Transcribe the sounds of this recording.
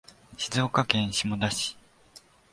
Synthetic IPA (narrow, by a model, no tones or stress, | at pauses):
ɕizo̞ːkakẽ̞ɰ̃ɕimo̞d̪aɕi̥